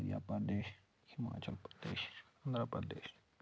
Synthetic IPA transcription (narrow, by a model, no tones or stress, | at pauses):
ɾija̰ːpəd̪eːʃ | hɪma̰ːt͡ʃəlpɾəd̪ḛːʃɐnd̪ɾapəd̪eːʃ